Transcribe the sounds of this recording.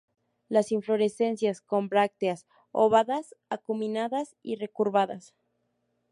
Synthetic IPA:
lasiɱflo̞ɾe̞se̞nsjasko̞mbɾak̚t̪eas | oβaðasakumĩnaðasire̞kuɾβaðas

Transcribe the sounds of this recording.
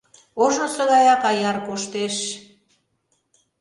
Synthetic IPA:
oʒosɤɣɑjɑkɑjɑrkoʃt̪eʃ

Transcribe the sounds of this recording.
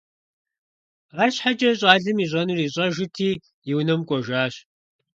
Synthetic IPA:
ʁɐɕħad͡ʒɐɕʼɑːɮɨmiːɕ̬ʼɐnuriːɕʼɐʒɪtʰiː | jɪwnɐmkʷʼɔʒaːɕ

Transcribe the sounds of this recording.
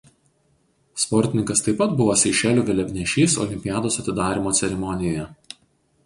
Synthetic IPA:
spɔɾʲt̪ʲɪnʲɪŋkɐst̪ɐɪpːɐt̪bʊʋoːsʲɛɪʃʲæːlʲuːɡʲɛlʲɛbʲnʲɛʃʲiːsɔ̰lʲɪmʲpʲɪjaːd̪oːsɐt̪ʲɪd̪ɑːɾʲiːˑmoːt̪sʲɛɾʲɛmɔnʲɪjoːjɛ

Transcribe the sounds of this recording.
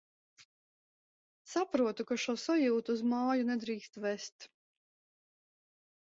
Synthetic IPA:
sapɾuɔt̪ukaʃuɔsɔjuːt̪uːzmaːjunɛd̪ɾiːkst̪vest̪

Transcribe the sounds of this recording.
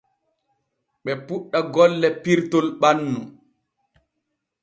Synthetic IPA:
ɓɛpuɗːaɡɔlːɛpiɾtolɓanːu

